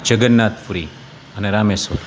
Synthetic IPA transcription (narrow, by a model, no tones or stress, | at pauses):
d͡ʒəɡənːat̪fuɾi | əneɾameso̰ɾ